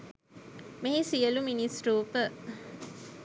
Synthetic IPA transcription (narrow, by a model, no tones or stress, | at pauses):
meɦisijəluminisɾuːpə